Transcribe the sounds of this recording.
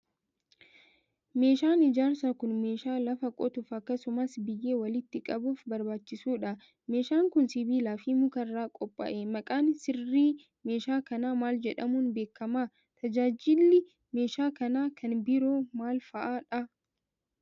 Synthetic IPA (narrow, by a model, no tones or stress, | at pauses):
me̞ːʃaːnɪd͡ʒaːɾsakʊnme̞ːʃaːlɐfɐkʼɔt̪ʊfɐkːɐsʊmɐsbɪjːe̞ːwɐlɪt̪ːɪkʼɐbuːfbɐɾbaːt͡ʃːɪsuːᶑɐ | me̞ːʃaːŋkʊnsɪbiːlaːfimʊkɐrːaːkʼɔpʼːɐ̰ʔemɐkʼaːnsɪrːiː | me̞ːʃaːkɐnaːmaːld͡ʒɛᶑɐmunbe̞ːkːɐmaː | t̪ɐd͡ʒaːd͡ʒɪlːɪ | me̞ːʃaːkɐnaːkʰɐnbɪɾoːmaːlfɐʔaːᶑɐ